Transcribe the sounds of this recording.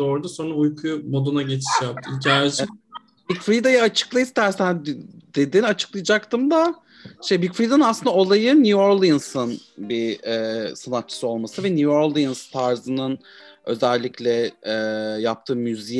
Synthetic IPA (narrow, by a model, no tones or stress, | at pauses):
oɾd̪asonɾaujkʰujmod̪onaɟet͡ʃʰi̥ʃjap̪̚ʰicʰaːjat͡ʃ | bikfɾid̪ajaat͡ʃʰɯ̥klˠajɯst̪æɾsnd̪̥ed̪inat͡ʃʰɯ̥klˠajd͡ʒak̚t̪ʰɯmd̪a | ʃejbikfɾid̪anɯnasɯnd̪ao̞lˠajɯnuoɾlˠjinsɯn | biɛsanat̪̚t͡ʃʰɯ̥sɯo̞lˠmasɯvɛnuoɾlˠijinst̪ʰaɾzɯnɯn | ø̞̰zɛlʲːiclʲɛɛːjap̚t̪ʰɯːmyzij